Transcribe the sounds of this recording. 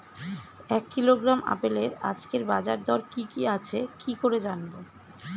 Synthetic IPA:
ɛkːiloɡɾamʔa̰peleɾa̰d͡ʑkeɾbad͡ʑaɾd̪ɔɾkikiat͡ɕʰekikoɾed͡ʑanbo

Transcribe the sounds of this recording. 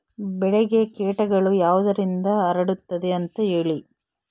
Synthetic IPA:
bɛɭeɡe̞keːʈɐɡɐɭujaːʋɐd̪ɐɾind̪ɐːɾɐɽut̪ːɐd̪e̞ɐnt̪ɐɦeːɭi

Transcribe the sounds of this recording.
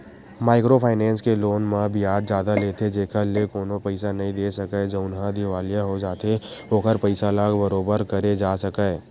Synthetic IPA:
maːɪkɾopʰaːɪnɛ̃ːnskeloːnmãbʱɪjaːd̪d͡ʒaːd̪aleːt̪ʰed͡ʒeːkʰəlekoːnõpəɪsanɐɦĩd̪eːsɐkəd͡ʒoʊnɦãd̪ɪʋaːlijaɦod͡ʒaːt̪eoːkəɾpəɪsalaːɡbəɾoːbəɾkəɾed͡ʒaːsəkəː

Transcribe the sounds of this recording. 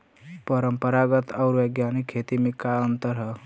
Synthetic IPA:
pəɾəmpəɾaɡət̪awɾʋeɡjanikʰːet̪imikaənt̪əɾɦə

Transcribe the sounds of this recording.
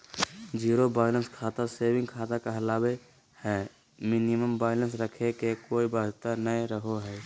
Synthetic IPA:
d͡ʒiːɾobaːjlənskʰaːt̪aseːwɪ̃ŋɡ̚kʰaːt̪akaɦɐlaːbe | hɛː | mɪniməmbaːjlə̃ns̬ɾəkʰekekoːibaːd͡ʒt̪anəeɾəɦoɦɛː

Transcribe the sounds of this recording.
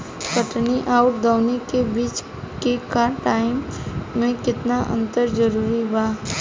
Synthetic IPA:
kəʈniʔaːʊʈ̚d̪aʊnekebiːt͡ʃ | kekaʈaːɪmːẽkɪt̪naʔə̰̃nt̪əɾd͡ʒəɾuːɾibaː

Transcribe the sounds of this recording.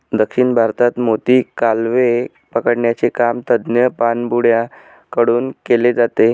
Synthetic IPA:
d̪əkʂiɳbʱaɾt̪at̪mot̪iːkalʋe | pəkəɽɳjat͡sekamt̪əd̪njəpanbuɽja | kəɽuːnkeled͡zat̪e

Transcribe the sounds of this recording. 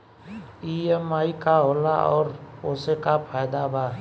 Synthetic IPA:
iemaːikaɦoːlaɔ̰ːɾoːsekapʰaːjd̪abaː

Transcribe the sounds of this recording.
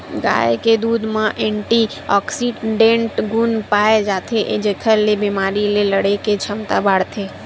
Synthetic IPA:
ɡa̰ːjeked̪uːd̪mẽʔẽɳʈi | ɔːksiɖẽɳʈɡunpaːed͡ʒat̪ʰeʔed͡ʒekʰəɾlebimaːɾileləɽeket͡ʃʰəmt̪abaːɽt̪ʰe

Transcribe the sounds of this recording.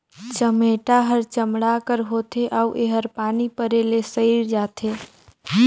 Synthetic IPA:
t͡ʃəmeʈaɦəɾt͡ʃəmɽakəɾɦot̪ʰeʔauʔeɦəɾpaːnipəɾelesəɪɾd͡ʒaːt̪ʰeː

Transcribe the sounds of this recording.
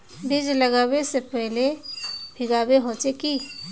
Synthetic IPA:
bid͡ʒləɡaːwesepɛɦlebʱɪɡaːweɦot͡ʃeki

